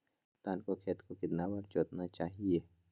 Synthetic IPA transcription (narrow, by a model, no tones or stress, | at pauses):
t̪aːnkokʰeːt̪kokɪt̪naːwɐɾt͡ʃoːt̪nat͡ʃaːɦieː